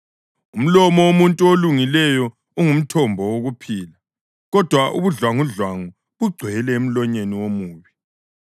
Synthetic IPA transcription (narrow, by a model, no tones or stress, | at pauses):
um̩lɔmɔwomuntʼuoluŋilɛjɔ | uŋum̩tʰɔmbʱɔwoɣupʰiːla | ɣɔd̥ʱwaʔṵβuɮwaŋuɮwaŋu | βuɡ͡ǀʱwɛlɛem̩lɔɲeniwomuːβi